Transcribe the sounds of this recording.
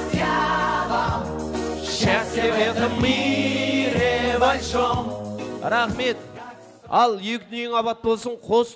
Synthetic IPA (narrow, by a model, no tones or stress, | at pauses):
ʃæsewed̪ɪmi | ɾevalʃomɾɑχme̞t̪ | ɑlˠjekʲɪneŋɑbɑt̪̚bo̞lˠsəɴqʰo̞s